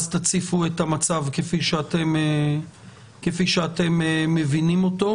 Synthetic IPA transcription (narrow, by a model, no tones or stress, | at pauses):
zt̪at͡sifuetamat͡savkefiʃeate̞me | kefiʃeate̞mːe̞vinimo̞to̞